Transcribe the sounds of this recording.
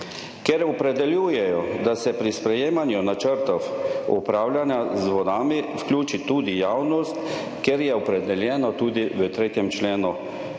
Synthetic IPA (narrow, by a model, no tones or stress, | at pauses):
kɛɾɔpɾɛd̪ɛljuːjɛjɔd̪asɛpɾispɾɛjeːmanjunat͡ʃəɾt̪ɔwupɾaːwlʲjanjazʋɔd̪aːmifklʲuːt͡ʃit̪uːd̪ijawnɔst̪ | kɛɾjɛɔpɾɛd̪ɛljɛːnɔt̪uːd̪iʋət̪ɾeːt̪jɛmt͡ʃleːnu